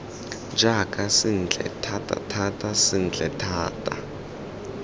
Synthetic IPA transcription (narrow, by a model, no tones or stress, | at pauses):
d͡ʒakʼasɪn̩ːt͡ɬʰʼɛ̰tʰatʼa̰tʰatʼasɪn̩t͡ɬʼɛtʰaːtʼa